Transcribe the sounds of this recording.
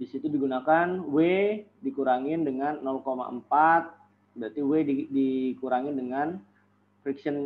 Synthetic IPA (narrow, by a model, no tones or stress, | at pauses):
disit̪udiɡunakanwedikuɾaŋɪndəŋanːɔlkoma̰ə̰mpat̪̚ | bɾat̪iwedidikuɾaŋɪndəŋan | fɾiksən